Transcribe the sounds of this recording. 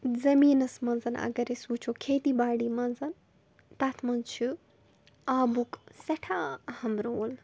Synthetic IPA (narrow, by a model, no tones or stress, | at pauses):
zɐmiːnɐsmɐnzɐnɐ̰ɡɐɾesuːt͡ʃʰoːkʰeːt̪ibaːɽiːmɐnzɐn | t̪at̪ʰmɐnt͡ʃʰi | aːbuksɐʈʰaːɐhɐmɾoːl